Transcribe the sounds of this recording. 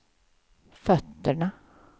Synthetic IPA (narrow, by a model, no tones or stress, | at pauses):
fœt̪ːəɳa